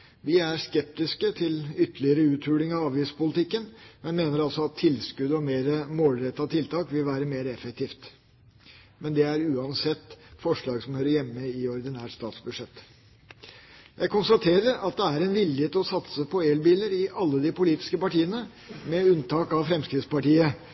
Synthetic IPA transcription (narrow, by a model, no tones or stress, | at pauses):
ʋɪæɾskɛp̚t̪ɪskət̪ʰɪlʏt̪əlɪəɾəʉːt̪ʰʉːlɪŋɑʋɑːʋiːspʊlɪt̪ɪkːənmɛnmeːnəɾɑlsɔɑt̪ʰːɪlskʉd̪əɔmeːɾəmoːlɾɛt̪ːɑt̪ʰɪlt̪ʰɑːkʋɪlʋæːɾəmeːɾəɛfɛk̚t̪ʰiːft̪ | mɛnd̪ɛæɾʉːɑnsɛt̪ːfɔʂɭɑːɡsɔmhøːɾəɾjɛmːəɪɔɾd̪ɪnæːʈst̪ɑ̰ːt̪sbʉʂɛt̪ː | jæɪkʊnst̪ɑt̪ʰeːɾəɾɑt̪̚d̪ɛæɾɛnʋɪlːɪheːt̪ɔsɑt̪səpʰɔeːlbiːləɾɪʔɑlːəd̪ɪpʊliːt̪ɪ̥skəpɑʈiːənə | mɛʉnt̪ʰɑːkɑʋfɾɛmskɾɪd̪spɑʈiːə